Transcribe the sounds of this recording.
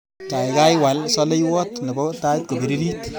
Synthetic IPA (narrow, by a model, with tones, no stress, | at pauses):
ta˨jka˦jwa˨lsɔ˦le˦jwɔ˦t̪ne˨bɔ˦ta˦t̪̚ko˨bi˨ɾi˦ɾi˦t̪